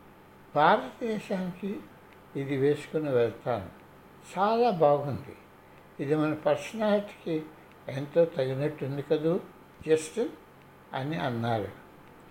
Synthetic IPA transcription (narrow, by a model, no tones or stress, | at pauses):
bʱaːɾɐt̪ɐd̪ɛːʃaːnikiː | d̪iʋeːsu̥kuniʋɛɭt̪aːnu | t͡ʃaːlaːbaːɡund̪ḭ | id̪imɐnɐpɐɾsɐnaːliʈ̪i̥ki | ent̪o̞ːt̪ɐɡinɐʈːend̪ukɐd̪u | d͡ʒesʈɐn | ɐ̰niɐnːaːɾṵ